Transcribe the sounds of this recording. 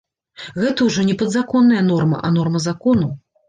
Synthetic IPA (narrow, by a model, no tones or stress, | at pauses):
ɣɛt̪ɐwʐɔnʲɛpɐd̪zakɔnːɐjɐnɔrmɐ̰ʔɐ̰nɔrmɐzakɔnu